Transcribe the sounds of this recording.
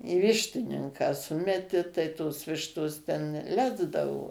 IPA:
iː ˈʋʲɪʃʲtʲɪnʲɪŋkɑː ˈsʊmʲɛtʲɪ tɐɪ ˈtoːs ˈʋʲɪʃtoːs tʲɛn ˈlʲæːzdɐʋoː

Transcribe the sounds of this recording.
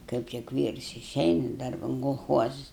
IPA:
ˈkɐɪp tʲɪk ˈʋʲiːrs ɪˈʃʲɛɪnɐ ˈdɐrbɐn koːlˠˈxuɔzʊs

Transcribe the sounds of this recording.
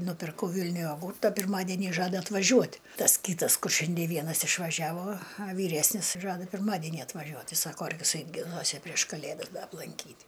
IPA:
nʊpʲɪrˈkɐʊ ˈʋʲɪlʲnʲʊj joːˈɡuːrtɐ pʲɪrˈmɑːdʲɛnʲiː ˈʒɑːdɐ ɐtʋɐˈʒʲuɔtʲ ˈtɐs ˈkʲiːtɐs ˈkʊr ˈʃʲɛnʲdʲiɛ ˈʋʲiɛnɐs ɪʃʋɐˈʒʲæːʋoː ɐ ˈʋʲiːrʲɛsʲnʲɪs ˈʒɑːdɐ pʲɪrˈmɑːdʲɛnʲiː ɐtʋɐˈʒʲuɔt ˈtɐɪ ˈsɑːkoː ɐr ʋʲɪˈsɐɪp ɡʲɪˈnuɔsʲɪ pʲrʲiɛʃ kɐˈlʲeːdɐs ˈdɐ ɐplˠɐŋʲˈkʲiːtʲ

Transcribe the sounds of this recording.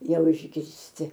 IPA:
ˈjɛʊ ɪʒʲɡʲɪrʲsʲˈtʲɪ

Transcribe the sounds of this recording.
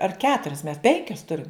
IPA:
ɐr ˈkʲæːtʊrʲɛs mʲɛs ˈpʲɛŋʲkʲɛs ˈtʊrʲɪm

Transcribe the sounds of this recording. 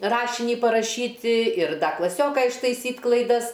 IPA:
ˈrɑːʃʲɪnʲiː pɐrɐˈʃʲiːtʲɪ ɪr ˈdɐ klˠɐˈsʲoːkɐ ɪʃtɐɪˈsʲiːtʲ klˠɐɪˈdɐs

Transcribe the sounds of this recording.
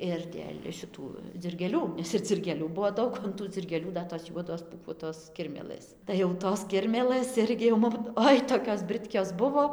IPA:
ɪr dʲeːlʲ ʃʲɪˈtuː d͡zʲɪrʲɡʲeːˈlʲuː ˈnʲɛs ɪr d͡zʲɪrʲɡʲeːˈlʲuː ˈbuɔ ˈdɐʊk oː ɐn ˈtuː d͡zʲɪrʲɡʲeːˈlʲuː ˈdɐ toːs ˈjuɔdoːs puːˈkuɔtoːs ˈkʲɪrʲmʲeːlˠɘs tɐɪ jɛʊ ˈtoːs ˈkʲɪrʲmʲeːlˠɘs ˈɪrʲɡʲɪ jɛʊ ˈmʊm ˈoːɪ toːkʲoːs ˈbrɨtʲkʲoːs ˈbʊʋoː

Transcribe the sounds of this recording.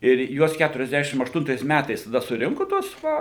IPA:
ɪr ˈjuɔs kʲɛtʊrʲɛzʲˈdʲæːʃʲɪm ɐʃˈtʊntɐɪs ˈmʲætɐɪs tɐˈdɐ sʊˈrʲɪŋkʊ tuɔs ˈʋɐ

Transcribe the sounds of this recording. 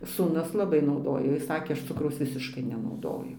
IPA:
suːˈnʊs lˠɐˈbɐɪ nɐʊˈdoːjoː ˈjɪs ˈsɑːkʲeː ˈɐʃ ˈt͡sʊkrɐʊs ˈʋʲɪsʲɪʃkɐɪ nʲɛnɐʊˈdoːjʊ

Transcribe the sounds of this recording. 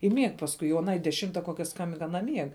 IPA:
ɪ mʲiɛk pɐsˈkʊɪ oː ɐˈnɐɪ dʲɛˈʃʲɪmtɐ ˈkoːkʲɛ ˈskɐmʲbʲɪŋk ɐˈnɐ ˈmʲiɛk

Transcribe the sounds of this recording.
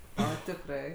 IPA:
ˈoː tʲɪkˈrɐɪ

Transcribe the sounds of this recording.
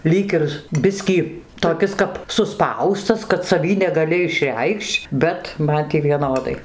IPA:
ˈlʲiːk ɪr ˈbʲɪsʲkʲiː toːˈkʲɪs kɐp sʊˈspɐʊstɐs kɐt sɐˈʋʲiː nʲɛɡɐˈlʲɪ ɪʃʲˈrʲɛɪkʃʲt͡ʃʲ ˈbʲɛt ˈmɐn tʲiː ʋʲiɛˈnoːdɐɪ

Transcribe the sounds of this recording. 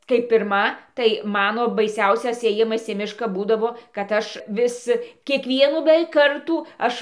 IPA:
kɐɪ pʲɪrˈmɐ tɐɪ ˈmɑːnoː bɐɪˈsʲɛʊsʲɛs eːˈjɪmɐs iː ˈmʲɪʃkɐ ˈbuːdɐʋoː kɐt ˈɐʃ ˈʋʲɪs kʲiɛkˈʋʲiɛnuː bʲɛˈʋʲɛɪk ˈkɐrtuː ˈɐʃ

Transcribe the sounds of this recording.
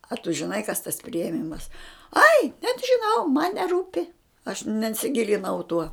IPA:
ɐ tʊ ʒʲɪˈnɐɪ kɐs tɐs pʲrʲɪeːˈmʲɪmɐs ɐɪ nʲɛt ʒʲɪˈnɐʊ mɐn nʲɛˈruːpʲɪ ɐʃ nʲɛnʲsʲɪˈɡʲɪlʲɪnɐʊ tuɔ

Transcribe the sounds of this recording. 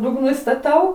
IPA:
dʊɡˈnʊ ɪstɐˈtɐʊ

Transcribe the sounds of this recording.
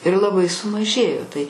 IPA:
ɪr lˠɐˈbɐɪ sʊmɐˈʒʲeːjoː tɐɪ

